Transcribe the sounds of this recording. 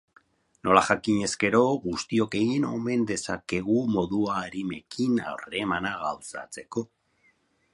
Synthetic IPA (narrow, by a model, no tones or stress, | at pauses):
no̞laʝakiɲe̞ske̞ɾo̞ɣust̪io̞ke̞ɣino̞̰me̞nd̪e̞sake̞ɣumo̞ðuaːɾime̞kina̰wre̞manaɣawsa̰t͡se̞ko̞